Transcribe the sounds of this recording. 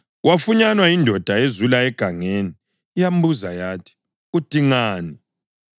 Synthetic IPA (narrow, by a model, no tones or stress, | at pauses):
wafuɲanwaindʱɔd̥ʱaezulaɛɡ̥ʱaŋeniː | jam̩buzajatʰi̥ | ud̥ʱiŋaːni